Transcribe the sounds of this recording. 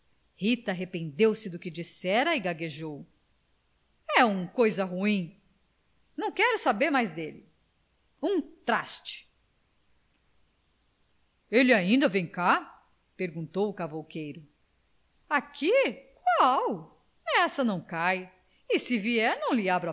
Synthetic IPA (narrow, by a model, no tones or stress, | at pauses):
hit̪ɐaɦepẽnd̪ewsɪd̪ʊkɪd͡ʒisɛɾɐɪɡaɡeʒow | ɛũkojzɐɦuĩ | nɐ̃w̃kɛɾʊsabeɾmajzd̪elɪ | ũt̪ɾa̰st͡ʃɪ̥ | elɪaĩnd̪ɐvẽj̃ka | peɾɡũnt̪owʊkavowkejɾʊ | akʰikwaw | ɛsɐnɐ̃w̃kaj | ɪsɪviɛɾnɐ̃w̃lɪabɾɐ